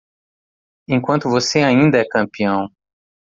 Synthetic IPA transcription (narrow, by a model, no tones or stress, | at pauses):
ẽj̃kwɐ̃nt̪ʊvoseaĩnd̪ɐɛkɐ̃mpiɐ̃w̃